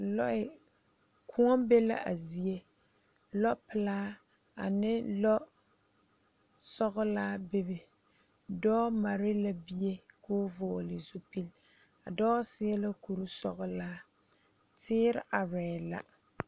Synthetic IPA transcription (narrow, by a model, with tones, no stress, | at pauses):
lɔ̰˦ʔɪ˨ | kʰʊ̃˦ɔ˦be˦la̰˦ʔa̰˨zi˨e˦ | lɔ˦pɪ˨laː˦ | a̰˨nɪ˦lɔ˦ | sɔ˦ɣʊ˦laː˦bɪ˦bɪ˨ | dɔː˦ma˨ɾɪ˦la˦bi˦e˦kʊː˦vʊː˨lɪ˨zu˦pi˦l | a̰˨dɔː˦sɪ˦ɛ˦la˦ku˨ɾu˦sɔ̰˦ɣʊ˦laː˦ | tʰɪː˦ɾɪ˦ʔa˨ɾɛː˨la̰˦